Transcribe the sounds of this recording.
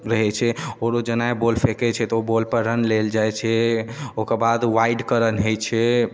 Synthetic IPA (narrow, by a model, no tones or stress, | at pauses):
ɾəɦɛt͡ʃʰɛoɾod͡ʒənaebolpʰekɛt͡ʃʰɛt̪ɔobolpəɾɾənleld͡ʒajt͡ʃʰɛokəbad̪ʋaiɖkəɾənɦojt͡ʃʰɛ